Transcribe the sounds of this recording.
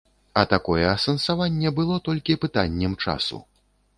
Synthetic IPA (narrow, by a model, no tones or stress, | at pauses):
ɐt̪akɔjɛɐsɐnsavanʲːɛbɨlˠɔt̪ɔlʲkʲipɨt̪anʲːɛmt͡ʂa̰sṵ